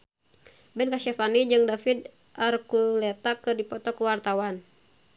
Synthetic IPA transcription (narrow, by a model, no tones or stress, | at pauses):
bɛnkaʃafanid͡ʒɨŋdafid̪ | arkulɛt̪akɨrdipɔt̪ɔkəwart̪awan